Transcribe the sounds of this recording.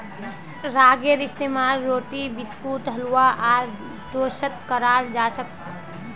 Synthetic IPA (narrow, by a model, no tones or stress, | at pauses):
ɾaɡeɾist̪emaɾːoːʈibiskuʈɦəluwaʔaɾ | ɖosət̪kəɾald͡ʒat͡ʃʰək